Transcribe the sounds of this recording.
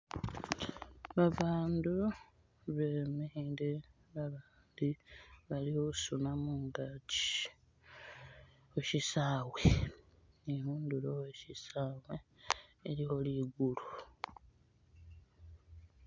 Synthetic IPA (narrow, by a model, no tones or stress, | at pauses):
βaβaːndu | βemiɾe | βaβaːndiβalihosunamuŋɡat͡ʃi̥ | eʃisaːwe | nihuːnduɾoweʃisaːweː | ɾiho̞liːɡulu